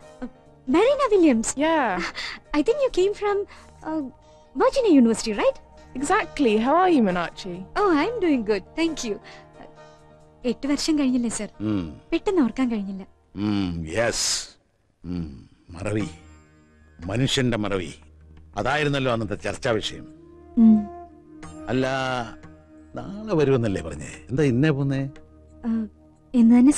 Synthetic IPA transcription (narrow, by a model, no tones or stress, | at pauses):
mɐɾinɐʋiljɐmsja | ajt̪ʰĩŋkjuːkẽːmfɾɐ̃m | mɐd͡ʑinɐjuːniʋəɾsiʈirajʈeɡzæk̚ʈliɦawajumɛnat͡ʃioːajmɖuːĩŋɡʊd̚t̪ʰæːŋkʰju | eʈːɨʋɐrʂjɐnkɐɻiɲːilːɐsɐrpeʈːenːɐʋɐrkːaːnkɐɻiɲːilːɐ | jes | mɐ̰rɐʋi | mɐnuʂjɐnɳɖemɐrɐʋḭɐðaːjiɾunːɐlːo̞ːɐnːɐnt̪ːɐt͡ɕɐ̰rt͡ɕːaːʋɐʂjɐjɐmː | ɐlːɐ | naɭeʋɐɾuʋenːilːeːpɐrɐɲːḛend̪aːinːeponːe | e̞nːɨt̪ɐnːe